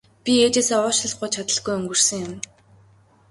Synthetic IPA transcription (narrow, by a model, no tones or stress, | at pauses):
pʲieːt͡ɕeːsɔːʊːʃə̆ɮχɢʊjt͡ɕʰat̪ə̆ɮɡujɵŋɡɵ̆r̥sɵ̆ŋjʊm